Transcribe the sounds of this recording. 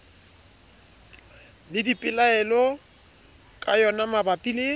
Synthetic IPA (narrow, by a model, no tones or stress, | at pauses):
lɪdipʼɪlaɛlɔ | kʼajɔnamabapʼile